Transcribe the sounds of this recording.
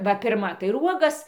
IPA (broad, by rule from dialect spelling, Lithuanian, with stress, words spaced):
ˈʋɐ ˈpʲɪrmɐ tɐɪ ɪr ˈuɔɡɐs